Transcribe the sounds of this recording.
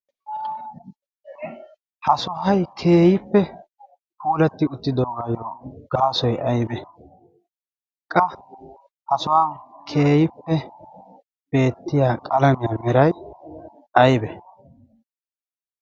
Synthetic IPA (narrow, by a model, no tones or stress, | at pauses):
hɐsɔɦɐjkʰe̞ːjɪpːɛ | puːlɛt̪ːɪʊt̪ːɪd̪oːɡɐjoːɡ̥aːsɔjɐjbɛ | kʼɐ | hɐsʊwaːnkʰeːjɪpːɛ | b̥e̞ːt̪ːɪjaːkʼɐlɐmɪjaːmɛɾɐj | ɐjbɛ